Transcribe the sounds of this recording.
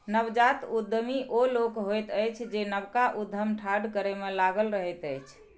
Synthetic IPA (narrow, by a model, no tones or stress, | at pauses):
nəbd͡ʒat̪ud̪ʱmiʔolokɦojt̪əjt͡ʃʰd͡ʒenəbkaʔud̪ʱːəmʈʰaɖkəɾemelaɡəlɾəɦət̪əjt͡ʃʰ